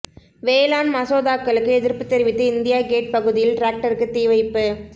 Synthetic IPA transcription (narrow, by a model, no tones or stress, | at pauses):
ʋeːlaːnmɐsoːðaːkːɐɭɯkːɯɛðɪɾpɯt̪ːɛɾɪʋɪt̪ːɯɪnd̪ɪjaːɡeːʈ̚pɐɣɯðɪjɪlʈɾaːk̚ʈɐɾɯkːɯt̪ːiːʋɐɪpːɯ